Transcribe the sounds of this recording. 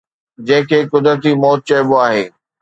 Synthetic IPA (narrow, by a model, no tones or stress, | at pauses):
d͡ʑɐ̃ɦɪ̃kʰeːkʊd̪ɾət̪̬imɔːt̪̚t͡ɕɐɪboaːɦeː